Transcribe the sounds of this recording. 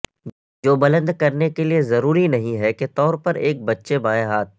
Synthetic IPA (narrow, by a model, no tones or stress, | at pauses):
d͡ʒoːbɐlə̃nd̪kɐɾnekeliezɐɾuːɾinɐɦĩɦɛket̪ɔːɾpɐɾeːk̚bɐtːʃebãːẽɦaːt̪̚